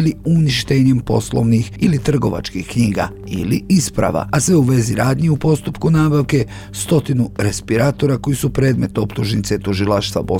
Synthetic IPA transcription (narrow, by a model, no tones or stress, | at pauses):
liuniʃt̪eɲempo̞̰slˠo̞̰ʋnixilit̪r̩ɡo̞ʋa̰t͡ʃkixkɲiːɡa̰ | ḭlḭispɾa̰ʋa̰asʋe̞uʋe̞ziɾaːd̪ɲeupo̞st̪upkunaːbaʋke̞ | st̪o̞t̪inuɾe̞spiɾaːt̪o̞ɾako̞jisupɾe̞ːd̪me̞t̪o̞pt̪uʒnit̪se̞t̪uʒilaʃt̪ʋa̰bo̞